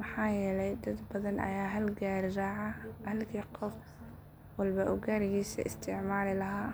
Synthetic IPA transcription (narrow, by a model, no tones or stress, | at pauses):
mɐħɑːjɛːlɛjd̪ɐd̪bɐðɐnɐ̰jaːɦɐlɡaːɾɪraːʕɐhɐlkʰiːqɔf | wɐlbɐʔʊɡaːɾɪɣiːsɐ̰ʔɪst̪ʰɪʕmaːlɪlɐɦaː